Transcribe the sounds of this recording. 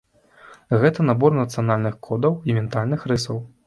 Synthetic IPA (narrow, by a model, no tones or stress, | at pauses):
ɣɛt̪ɐnabɔrnɐt̪sɨjanalʲnɨxkʰɔd̪ɐwimʲɛnt̪alʲnɨxɾɨsɐw